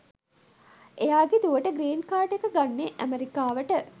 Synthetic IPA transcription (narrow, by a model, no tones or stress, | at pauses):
ʔejaːɡet̪uʋəʈəɡɾeːnkaːʈekəɡanːeʔæmeɾikaːʋəʈə